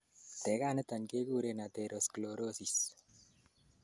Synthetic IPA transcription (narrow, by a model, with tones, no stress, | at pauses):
t̪ɛ˨kaː˦nə˦t̪a˨nke˦ɡuː˦ɾe˨na˨t̪ɛ˨ɾoskloɾo˦sis